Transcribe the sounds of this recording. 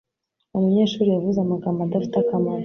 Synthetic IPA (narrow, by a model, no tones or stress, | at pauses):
umuɲeːʃuːɾijavuzamaɡaːmbad̪afi̥takamaɾ